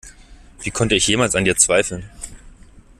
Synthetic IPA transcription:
v̥iːkʰɔntəɪçjeːmalsandiːɐt͡sv̥aɪfl̩n

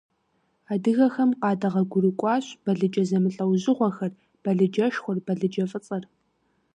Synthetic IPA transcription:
aːdɨɣɐxɐmqɑːdɐʁɐɡʷʊɾɨkʷʼɑːɕb̥ɐɮɨd͡ʒʼɐzɐmɨɬʼɐwʑɪʁʷɔxɐr | b̥ɐɮɨd͡ʒɐʃxʷʊrb̥ɐɮɨd͡ʒɐfʼɨt͡sʼɐr

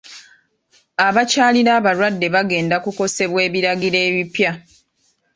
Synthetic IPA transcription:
aβacaːliɾaːβaɾwadːe̞βaɡe̞ːndakuko̞se̞βwe̞ːβiɾaɡiɾe̞ːβipja

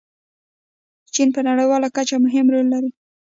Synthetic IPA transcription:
t͡ʃinpənaɽəjwɑlakat͡ʃamʊɦɪmɾolːaɾi

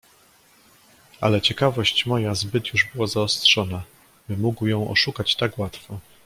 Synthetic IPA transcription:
a̰lɛt͡ɕɛkavɔɕt͡ɕmɔjazbɘt̪juʐbɘwazaɔst̪ʂɔna | bɘmuɡwjɔ̃w̃ʔɔ̰ʂukat͡ɕt̪akwat̪fɔ

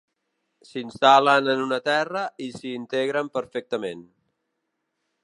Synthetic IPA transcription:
sinst̪alənənunət̪ɛrəisiːnt̪eɣɾəmpəɾfɛk̚t̪əmen

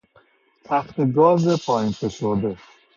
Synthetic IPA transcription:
t̪ʰæxt̪ʰeɡɒːzepʰɒːinpʰeʃoɾd̪e

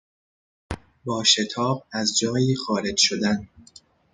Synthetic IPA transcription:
bɒːʃe̞t̪ʰɒːb̚æzd͡ʒɒːjiːxɒːɾe̞d͡ʒʃod̪æn

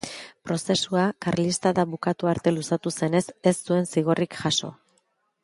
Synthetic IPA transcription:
pɾo̞se̞suakaɾlist̪aðaβukat̪uaɾt̪e̞lusat̪use̞ne̞se̞sːue̞nsiɣo̞rikʝaso̞̰

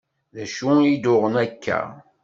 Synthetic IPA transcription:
ðæʃuid̪ʊʁənækʰːæ̰

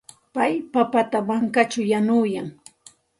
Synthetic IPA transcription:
pajpapat̪amaŋkat͡ʃajanʊjaŋ

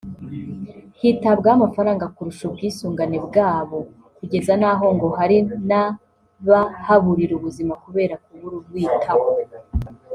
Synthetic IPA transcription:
hitabɡamafaɾaːŋɡakuɾuʃubɡiːsuːŋɡane̞bɡaːβo̞ | kuɟe̞zanaːɦo̞ŋɡo̞haɾina | βahaβuɾiɾuβuzimakuβe̞ːɾakuβuɾubɡwiːtʰawo

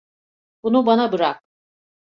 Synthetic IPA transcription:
b̥unubanabɯɾak̚

